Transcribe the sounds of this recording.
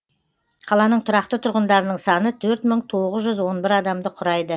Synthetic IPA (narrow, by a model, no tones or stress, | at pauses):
qʰɑlˠɑnəɴt̪ʰʊɾɑq̚t̪ət̪ʰʊɾʁənd̪ɑɾənəɴsɑnət̪ʰɵɾt̪məɴt̪ʰo̞ʁəzʒʏzwo̞nbɪɾɑd̪ɑmd̪əqʰʊɾɑjd̪ə